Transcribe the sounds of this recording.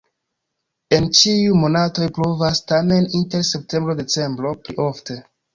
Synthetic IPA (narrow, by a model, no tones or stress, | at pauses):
e̞nt͡ʃiumo̞nato̞jplovastame̞ninte̞ɾse̞p̚te̞mbɾode̞t͡se̞mbɾo̞pɾḭʔofte̞